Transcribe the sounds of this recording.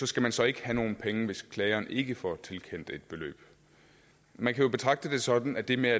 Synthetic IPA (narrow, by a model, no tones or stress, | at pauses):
sɒ̽sɡ̥æmænsɒ̽e̝ɡ̥əhæno̝ːn̩pʰeŋəʋe̝skʰlɛɪɐːnʔe̝ɡ̥əfɒt͡sʰe̝lkʰen̰d̥e̝d̥̚b̥e̝lø̰ːb̥ | mænkʰæjo̝b̥e̝t͡sʰʁɑ̈ɡ̥̚d̥əd̥e̝sɒ̽d̥n̩æd̥e̝meæ